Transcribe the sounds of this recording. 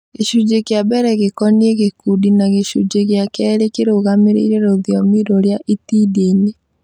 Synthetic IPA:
ɣeʃud͡ʒekjabɛɾɛɣekɔnieɣekudinaɣeʃud͡ʒeɣjakɛɾekeɾoɣameɾḛiɾeɾoðjɔmiɾoɾjaʔitiːdeɲe

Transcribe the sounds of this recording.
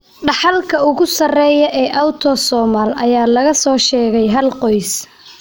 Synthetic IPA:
ɖɑħɑlkʰɐʊɣʊsɐrɛːjɐʔɛːʔɐwt̪ʰɔsɔːmaːlɐjaːlɐɣɐsɔːʃɛːɣɛjɦɐlqɔjs

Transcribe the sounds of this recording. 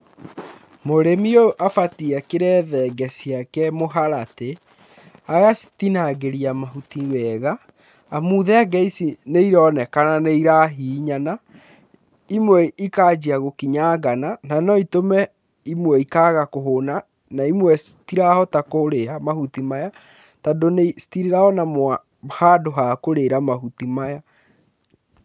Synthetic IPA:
moɾemioʔafatiakeɾɛðɛɡɛsijakɛmoɦaɾate | aɣasi̥tinaɡeɾiamaɦutiwɛɣaː | muːðɛaɡɛisineiɾɔːnɛkananeiɾaɦiːɲana | imwɛikad͡ʒiaɣokiɲaɡanananɔitomɛ | imwɛikaɣakoɦona | naimwɛsitiɾahɔtakoɾeɾamahutimaja | tadonesi̥tiɾeɾaɔnamwa | hadoɦakoɾeɾamaɦutimaja

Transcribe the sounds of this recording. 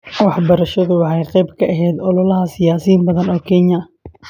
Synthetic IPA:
wɑħbɐɾɐʃɐðʊwɑħɑjqɛjbkʰɐʔɐɦɛːd̪ɔlɔlɐɦɐsɪjaːsiːnbɐðɐnɔːkʰɛnjɐ

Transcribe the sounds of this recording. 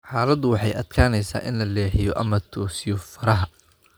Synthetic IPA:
ħɑːlɐd̪ʊwɑħɑjʔɐd̪̥kʰaːnɛjsa̰ːʔɪnlɐlɛːħɪjɔʔɐmɐt̪ʰɔːsɪjɔfɐɾɐɦɐ

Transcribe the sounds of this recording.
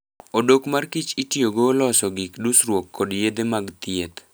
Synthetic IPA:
odokmarkit͡ʃitjoɡolɔsɔɡɪkdusrwokːɔdjed̪emaɡt̪ɪet̪

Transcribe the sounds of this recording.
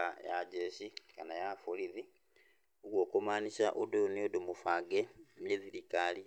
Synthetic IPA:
aja̰ɟeɕikanajafuliði | uɡokomanisaʔuduniodumufaɡemiðiɾikali

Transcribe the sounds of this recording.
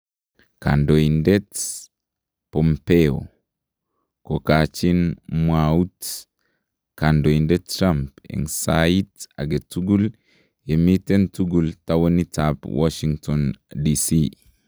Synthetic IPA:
kandoindɛt | pɔmpeo̰ | kokat͡ʃinmwaut | kandoindɛtːɾampḭŋsaitaɡetuɡul | jemitentuɡultawonitapwa̰ʃiŋtɔndisi

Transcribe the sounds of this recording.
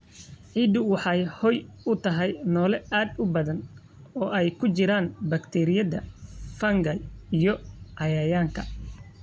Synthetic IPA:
ʕiːd̪ʊwɑħɑjhɔjʊt̪ʰɐɦɛjnɔːlɛaːd̪ʊbɐðɐn | ɔːʔɛjkʰʊt͡ʃɪɾaːnbɐkt̪ʰɛːɾɪjɐðɐfɐŋɡɐjijɔʕɑjɐjaːŋkʰɐ

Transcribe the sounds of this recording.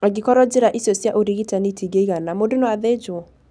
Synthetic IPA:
aɡikɔɾɔd͡ʒeɾaʔisjɔsjaʔoɾiɣitanitʰiɡeiɣanamodonɔwaðed͡ʒo

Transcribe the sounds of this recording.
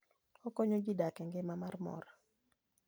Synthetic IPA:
ɔkɔɲoɡɪdakɛŋɡɪmamarmɔ̰ɾa

